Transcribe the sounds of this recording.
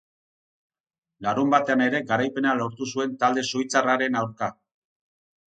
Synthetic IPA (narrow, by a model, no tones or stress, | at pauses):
laɾumbat̪e̞ane̞ɾe̞ɡaɾajpe̞nalo̞ɾt̪usue̞nt̪ald̪e̞sojt͡saraɾe̞nawɾka